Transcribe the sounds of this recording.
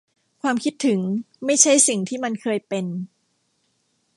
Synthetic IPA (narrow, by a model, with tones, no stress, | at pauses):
kʰwaː˧mkʰi˦˥t̪ʰːɯ˩˦ŋ | ma˥˩jt͡ɕʰa˥˩jsi˨˩ŋt̪ʰiː˥˩ma˧nkʰɤː˧jpe˧n